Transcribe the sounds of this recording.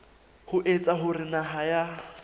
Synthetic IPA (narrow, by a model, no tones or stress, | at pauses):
hʊʔet͡sʼaɦʊrɪnaɦaja